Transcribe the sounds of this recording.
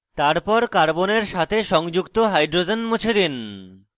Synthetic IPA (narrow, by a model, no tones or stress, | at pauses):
t̪aɾpɔɾkaɾboneɾʃat̪ʰeʃɔŋd͡ʑukt̪oɦajɖɾod͡ʑonmut͡ɕʰed̪in